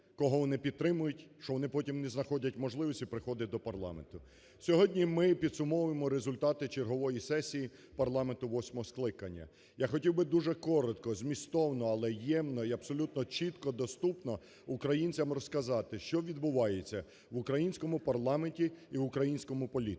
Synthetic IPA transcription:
kɔɦɔʋɔnɪpʲid̪̚t̪ɾɪmʊjʊtʲʃt͡ʃɔʋɔnɪpɔtʲimnɛznɐxɔdʲɐtʲmɔʒlˠɪʋɔsʲtʲipɾɪxɔd̪ɐd̪ɔpɐrlˠɑ̰ment̪ʊ | sʲɔɦɔdʲnʲimɪpʲid̪sʊmɔʋʊjemɔɾezʊlʲt̪ɑt̪ɪt͡ʃerɦɔʋɔjisɛsʲiji | pɐrlˠɑment̪ʊʋɔsʲmɔɦɔsklˠɪkɐnʲːɐ̰ | jaxɔtʲiwbɪd̪uʒɛkɔɾɔt̪kɔzmʲist̪ɔwnɔɐlˠɛjɛmnɔiɐbsɔlʲut̪nɔt͡ʃit̪kɔd̪ɔst̪upnɔ | ʊkɾɐjinʲt͡sʲɐmrɔskɐzɑt̪ɪʃt͡ʃɔʋʲid̪bʊʋɑjet͡sʲːɐ | ʋʊkɾɐjinʲsʲkɔmʊpɐrlˠɑmenʲtʲiiʋʊkɾɐjinʲsʲkɔmʊpɔlʲit̪

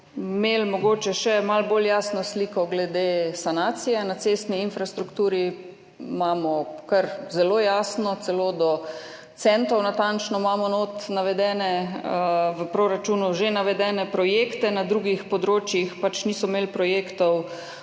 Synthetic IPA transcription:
meːlmɔɡoːt͡ʃɛʃɛmalboljaːsnɔsliːkɔɡlɛd̪eːsanaːt̪sijɛnat̪sest̪niːnfɾast̪ɾukt̪uːɾi | maːmɔkɐɾzɛloːjaːsnɔt̪sɛloːd̪ɔ | t̪sɛnt̪ɔwnat̪ant͡ʃnɔmamɔnoːt̪naʋɛd̪ɛːnɛəʋəpɾoɾat͡ʃuːnuʒenaʋɛd̪ɛːnɛpɾɔjekt̪ɛnad̪ɾuːɡixpɔd̪ɾoːt͡ʃjixpat͡ʃnisɔmelpɾɔjeːkt̪ɔw

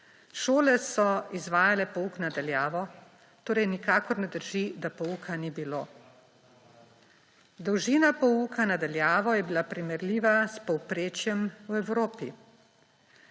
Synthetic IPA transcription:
ʃoːlɛsɔizʋaːjalɛpɔuknad̪aljaːʋɔ | t̪oːɾɛjnikaːkɔɾnɛd̪əɾʒid̪apɔuːkʰanibiloː | d̪ɔwʒiːnapɔukʰanad̪aljaːʋɔjɛbilapɾimɛɾliːʋaspɔwpɾeːt͡ʃjɛmwɛwɾoːpi

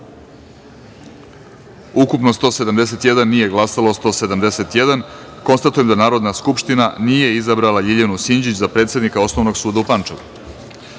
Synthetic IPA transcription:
ukupnost̪o̞ːse̞d̪amd̪e̞se̞t̪jed̪anːije̞ɡlˠasaloost̪o̞ːse̞d̪amd̪e̞se̞t̪je̞d̪an | ko̞nst̪at̪ujemd̪anaːɾo̞d̪naskupʃt̪inaniːje̞izabɾalaʎiʎanusiɲd͡ʑit͡ɕzapɾe̞ːt̪sjed̪nikao̞sno̞ʋno̞ɡsuːd̪aupant͡ʂaʋṵ

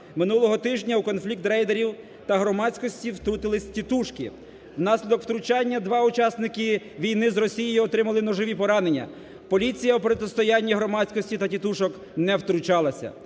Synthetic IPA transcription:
mɪnulˠɔɦɔt̪ɪʒnʲɐwkɔnflʲik̚t̪ɾɛjd̪eɾʲiw | t̪ɐɦɾɔmɑt͡sʲkɔsʲtʲiwt̪ɾut̪ɪlˠɪsʲtʲit̪uʃkɪ̰ | wnɑsʲlʲid̪ɔkw̥t̪ɾʊt͡ʃɑnʲːɐd̪ʋɑut͡ʃɑsnɪkɪ | ʋʲijnɪzrɔsʲijijʊɔt̪ɾɪmɐlˠɪnɔʒɔʋʲipɔɾɑne̞nʲːɐ̰ | pɔlʲit͡sʲijɐwpɾɔt̪ɪst̪ɔjanʲːiɦɾɔmɑt͡sʲkɔsʲtʲit̪ɐtʲit̪uʃɔk | nɛwt̪ɾʊt͡ʃɑlˠɐsʲɐ̰

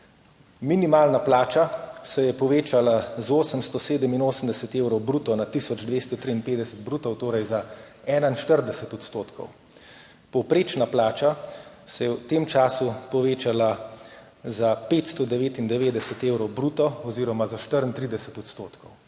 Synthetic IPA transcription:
minimaːlnaplaːt͡ʃasɛjɛpɔʋeːt͡ʃalazoːsəmst̪ɔseːd̪əminoːsəmd̪ɛsɛt̪eːwɾɔwbɾuːt̪ɔnat̪isɔd͡ʒd̪ʋeːst̪ɔt̪ɾiːnpeːd̪ɛsət̪̚bɾuːt̪ɔwt̪oːɾajza | ɛːnainʃt̪əɾd̪ɛsɛt̪ɔt̪st̪oːt̪kɔ̰w | pɔwpɾeːt͡ʃnaplaːt͡ʃa | sɛjɛwt̪eːmt͡ʃaːsupɔʋeːt͡ʃala | zapeːt̪st̪ɔd̪ɛʋeːt̪ind̪ɛʋeːd̪ɛsɛt̪eːwɾɔwbɾuːt̪ɔɔziːɾɔmazaʃt̪əɾənt̪ɾid̪ɛsɛt̪ɔt̪st̪oːt̪kɔw

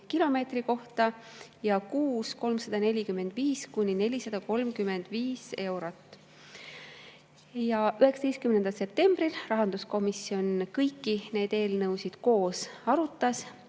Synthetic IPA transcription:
kilo̞me̞ːt̪riko̞ht̪ɑ | jɑkuːsko̞lmsɑd̪̥ɑne̞lʲikymːe̞nd̪̥viːskunʲːine̞lʲisɑd̪̥ɑko̞lmkyme̞nd̪̥viːse̞wɾot̪ːˑ | jɑʔyɦeksɑd̪e̞jst̪kymnend̪ɑlse̞p̚t̪e̞mb̥rilrɑɦɑnd̪̥usko̞misio̞nkɤjkˑːine̞ːd̪e̞ːlnɤwsid̪̥ko̞ːsɑɾut̪ːˑɑs

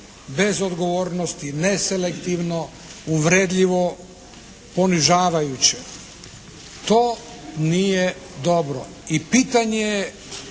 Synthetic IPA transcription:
be̞zo̞d̪ɡo̞ʋoːɾnost̪ineselekt̪iʋno | uʋɾed̪ʎiʋo̞ | po̞niʒaːʋajut͡ɕe | t̪oː | niːje | d̪o̞bɾo̰ | ipiːt̪aɲeje

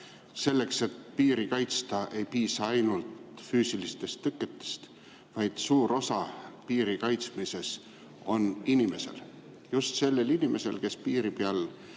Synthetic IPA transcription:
se̞lːe̞kse̞t̪piːɾikɑjt̪st̪ɑʔe̞jpiːsɑɑjnult̪fyːsilist̪e̞st̪ːɤkːˑe̞t̪ˑːe̥st̪ | vɑjd̪̥suːɾo̞sɑpiːɾikɑjt̪smise̞s | o̞ninime̞se̞̰l | just̪se̞lːe̞linime̞se̞lke̞spiːɾipeɑl

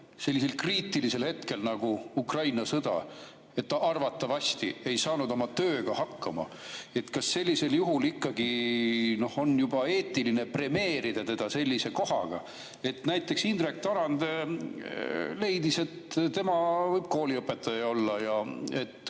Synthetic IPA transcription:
se̞lʲːise̞lkriːt̪ːˑilise̞lhe̞t̪ke̞lnɑɡ̥uukrɑjnɑsɤd̪̥ɑ̰ | e̞t̪ːʔɑrvɑt̪ːɑvɑsʲt̪ḭe̞jsɑːnud̪o̞mɑt̪ø̞ːɡ̥ɑhɑkːɑmɑ̰ | e̞t̪kɑsːe̞lʲːise̞ljuɦulikːɑɡ̥ino̞ho̞njub̥ɑe̞ːt̪ːˑiline̞pre̞me̞ːɾid̪̥ɑt̪e̞d̪̥ɑse̞lʲːise̞ko̞ɦɑ̰ɡ̥ɑ̰ | e̞t̪næjt̪ːˑe̞ksind̪rek̚t̪ɑnɑnd̪e | le̞jd̪ise̞t̪t̪e̞mɑvɤjb̥̚ko̞ːliɤpːˑe̞t̪ːˑɑjɑo̞lːɑjɑet̪ː

